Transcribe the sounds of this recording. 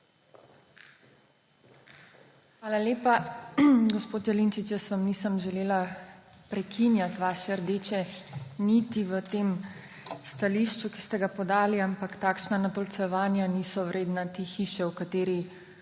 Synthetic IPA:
xʋaːlaleːpa | ɡospoːt̪jɛlint͡ʃit͡ʃjəsʋamnisəmʒɛleːlapɾɛkʰinjat̪ʋaːʃɛɾd̪eːt͡ʃɛnit̪iʋət̪eːm | st̪aliʃt͡ʃuki̥st̪ɛɡapɔd̪aːliampakt̪aːkʃnanat̪ɔlt̪sɛʋaːnjaniːsɔwɾʔeːd̪nat̪exiːʃɛwkat̪eːɾi

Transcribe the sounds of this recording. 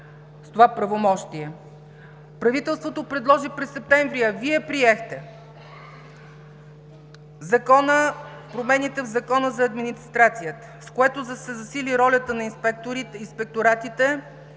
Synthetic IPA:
st̪ovapɾɐvomɔʃt̪iɛ | pɾɐvit̪ɛlˠst̪vot̪opɾɛd̪lˠɔʒipɾɛsːɛp̚t̪ɛɱvɾiɐviɛpɾiɛxt̪ɛ | zɐkɔnəfpɾomɛnit̪ɛvzɐkɔnəzɐːd̪minist̪ɾat̪sijət̪ə̥skoɛt̪ozəsɛzɐsiliɾɔlʲət̪ənɐinspɛk̚t̪oɾiinspɛk̚t̪oɾat̪it̪ɛ

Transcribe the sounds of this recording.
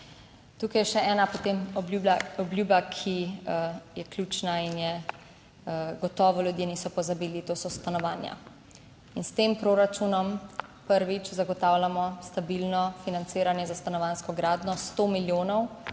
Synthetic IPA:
t̪uːkajɛʃɛɛːnapot̪emɔuɔbljubakʰi | jɛklʲuːt͡ʃnainjɛ | ɡɔt̪ɔːʋɔlʲjud̪jeniːsɔpɔzabiːlit̪oːsɔst̪anɔʋaːnja̰ | inst̪empɾoɾat͡ʃunɔmpəɾʋit͡ʃzaɡɔt̪aːwlʲjamɔst̪abilnɔfinant̪siːɾanjɛzast̪anɔʋaːnskɔɡɾaːd̪nɔst̪oːmiljoːnɔw

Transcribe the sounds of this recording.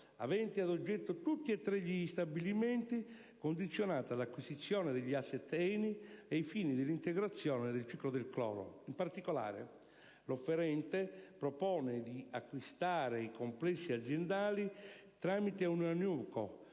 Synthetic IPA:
a̰vɛnt̪iad̪od͡ʒːɛt̪ːot̪ut̪ːiet̪ːɾɛʎːiːst̪abilimɛnt̪i | kond̪it̪sːjonaːt̪alakːwisit̪sːjɔːned̪ɪʎːiasːɛt̪ːɛniejfiːnid̪ɪlːint̪ɛɡɾat̪sːjɔːned̪elt͡ʃiklod̪elklɔ̰ːɾo̰impart̪ikola̰ːɾḛ | lofːɛɾɛnt̪epɾɔpɔːned̪iakːwist̪aːɾeikomplɛsːiad̪zjɛnd̪aːlit̪ɾamit̪eunanuːko̰

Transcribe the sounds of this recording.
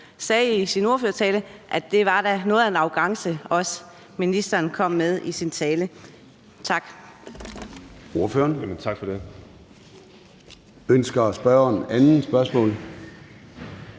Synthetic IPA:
sɛːisino̝ɐføɐt͡sʰɛːləʔæd̥e̝ʋɑ̈d̥ænɔ̽ːð̩ˠæe̝nɑ̈ʊɡ̥ɑ̈ŋsəɒ̽s | minisd̥ɐːnkʰɒ̽m̰ːeð̞ˠisint͡sʰɛːlə | t͡sʰɑ̈ɡ̥ | o̝ɐføɐnt͡sʰɑ̈ɡ̥fɒd̥e | ønsɡ̥ɐæsb̥ɶːɐeænn̩sb̥ɶɐsmɔ̰̽ːl

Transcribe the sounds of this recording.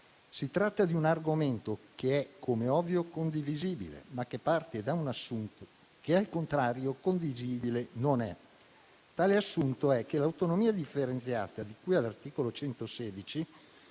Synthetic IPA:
sit̪ɾat̪ːad̪iunarɡoment̪okeɛkʰːomeɔvːjokond̪iviziːbḭlḛmakːepːart̪ed̪aunasːunt̪o | kealkont̪ɾaːɾjokond̪iziːbilenonɛ | t̪aːleasːunt̪oɛkːelawt̪onomiːad̪ifːeɾent̪sja̰ːt̪ad̪ikujalːart̪iːkolot͡ʃɛnt̪osɛːd̪it͡ʃi

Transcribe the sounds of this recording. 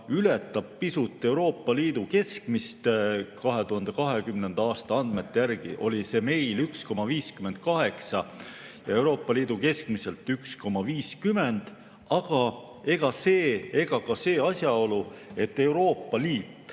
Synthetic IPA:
ylet̪ːˑɑb̥̚pisut̪ˑːe̞uwɾo̞ːpˑːɑliːd̪̥uke̞skmist̪kɑɦe̞t̪uɦɑnd̪̥ekɑɦe̞kymne̞nd̪ɑɑːst̪ɑɑnd̪me̞t̪ːejærɡ̥ḭʔo̞̰lise̞ːme̞jlyksko̞mɑviːskyme̞nd̪̥̚kɑɦe̞ksɑjɑ̰e̞wɾo̞ːpːˑɑliːd̪̥uke̞skmise̞lt̪ːyksko̞mɑviːskyme̞nd̪̥ | ɑɡ̥ɑ | e̞ɡ̥ɑse̞ːe̞ɡ̥ɑkɑse̞ːɑsʲjɑo̞lue̞t̪ːe̞uɾo̞ːpːˑɑliːt̪ːˑ

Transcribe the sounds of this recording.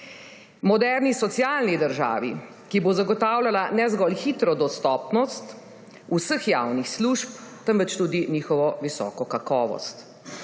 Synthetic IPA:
mɔd̪ɛɾnisɔt̪sjaːlnid̪əɾʒa̰ːʋḭ | kibozaɡɔt̪aːwlalanɛzɡɔlxit̪ɾɔd̪ɔst̪ɔːpnɔst̪ | usəxjawnixsluʃp̚t̪əmʋət͡ʃt̪uːd̪iniːxɔʋɔʋisɔ̰ːkɔkakɔːʋɔ̰st̪

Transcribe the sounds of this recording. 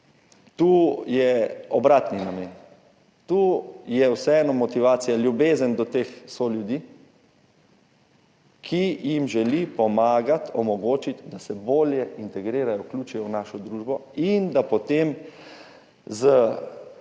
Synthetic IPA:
t̪uːjɛɔbɾaːt̪ninamen | t̪uːjɛwsɛɛːnɔmɔt̪iʋaːt̪sijaljubeːzənd̪ɔt̪eːxsoljud̪i | kʰijimʒɛlipɔmaːɡat̪ʰɔmɔɡoːt͡ʃit̪d̪asɛboːljɛint̪ɛɡɾiːɾajɔwklʲuːt͡ʃujɔwnaːʃɔd̪ɾuːʒbɔind̪apɔt̪em | zə

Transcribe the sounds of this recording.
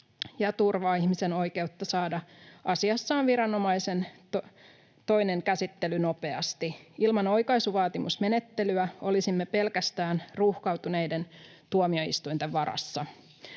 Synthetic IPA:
jɑt̪urʋɑːihmiseno̞jke̞ut̪ːɑsɑːdɑʔɑsiɑsːɑːnʋiɾɑno̞mɑjse̞nt̪o | t̪o̞ineŋkæsit̪ːelyno̞pe̞ɑst̪iilmɑno̞jkɑisuʋɑːt̪imusme̞ne̞t̪ːe̞lyæo̞lisimːepe̞lkæst̪æːnruhkɑwt̪unejdent̪uomio̞ḭst̪uint̪eʋɑɾɑ̰sːɑ

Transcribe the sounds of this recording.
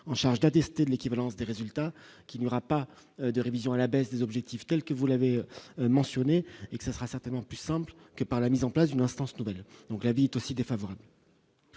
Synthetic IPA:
ɑ̃ʃaʁʒd̪at̪ɛst̪ed̪əlekʲivalɑ̃sd̪eʁezylt̪akʲilnjɔʁapa | d̪əʁevizjɔ̃alabɛsd̪ezɔbʒɛk̚t̪ift̪ɛlkəvulavemɑ̃sjɔneekə̥sasəʁasɛʁt̪ɛnmɑ̃plysɛ̃plkəpaʁlamizɑ̃plasd̪ynɛ̃st̪ɑ̃snuvɛld̪ɔ̃klaviɛt̪osid̪efavɔʁabl

